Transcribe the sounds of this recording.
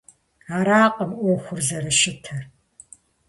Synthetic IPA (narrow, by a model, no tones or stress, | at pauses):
aːɾaːqʼɐmʔʷɔxʷʊrzɐɾɐʃɪtʰɐr